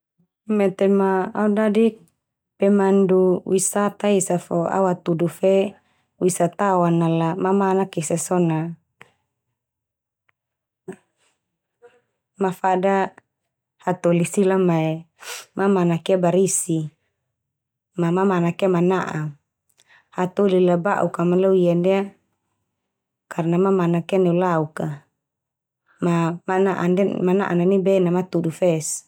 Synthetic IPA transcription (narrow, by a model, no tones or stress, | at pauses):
mɛt̪ema̰ːudadi | pɛmanduwisat̪aisafoa̰wat̪udufe | wisat̪awanalamamanakisɛsɔna | mafada | hat̪olisilamae | mamanakiabaɾisi | mamamanakamanaʔa | hat̪ɔlilaba̰ʔukamalauijandɛa | kʰarnamamanakanɛulauka | mamanaʔa̰nɛmana̰ʔa̰nanibɛnamat̪udufɛs